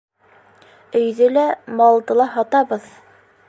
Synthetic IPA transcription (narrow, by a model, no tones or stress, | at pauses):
ɵ̆jðɘlæmɑlˠd̪ɤlˠɑɦɑt̪ɑbɤð